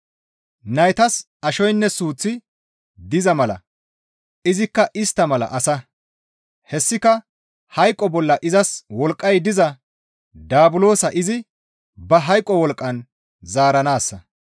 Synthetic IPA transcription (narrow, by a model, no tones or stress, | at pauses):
nɐjt̪ɐs | ɐʃɔjnːɛsuːt͡sːɪ | d̪ɪzɐmɐlɐ̰ | ʔɪzɪkːɐʔɪst̪ːɐmɐlɐ̰ʔɐsɐ | hɛsːɪkɐ | hɐjkʼːɔbɔlːɐʔɪzɐswɔlkʼːɐjd̪ɪzɐ | d̪aːbʊlo̞ːsɐʔɪzɪ | bɐɦɐjkʼːɔwɔlkʼːɐn | zaːɾɐnaːsːɐ